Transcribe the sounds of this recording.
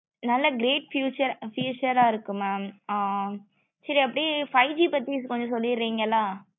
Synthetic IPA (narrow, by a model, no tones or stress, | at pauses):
nɐlːɐɡɪɾeːʈfjuːt͡ʃɐɾfjuːt͡ʃɐɾaːɪɾɯkːɯmɐ | sɐɾiɐpːɐɽifɐɪd͡ʒipɐt̪ːiskɔɲd͡ʒɔ̃sɔlːɪɾːiːŋɡɐlːaː